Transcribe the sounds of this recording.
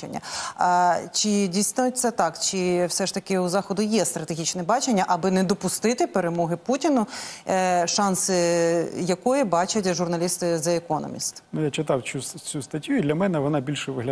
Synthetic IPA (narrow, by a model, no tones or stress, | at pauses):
ḛnʲːɐ̰ | t͡ʃɪdʲijsnʊtʲt̪sɛt̪ɑkt͡ʃɪwsɛʃt̪ɐkɪuzɑxɔd̪ʊjɛst̪ɾɐt̪eɦʲit͡ʃnɛbɑt͡ʃenʲːɐʔɐbɪnɛd̪ɔpʊst̪ɪt̪ɪpeɾemɔɦɪputʲinʊ | ʃɑnsɪjɐkɔjibɑt͡ʃɐtʲʒʊrnɐlʲist̪ɪzɐekɔnɔ̰mʲḭst̪nujat͡ʃɪt̪ɑwʲust͡sʲust̪ɐtʲjuid̪lʲɐmɛnɛʋɔnɑbʲilʲʃɛʋɪɦlʲɐ